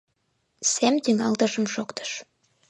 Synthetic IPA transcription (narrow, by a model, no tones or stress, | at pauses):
sæmt̪yŋɑlt̪ə̆ʒəmʃokt̪ə̥ʃ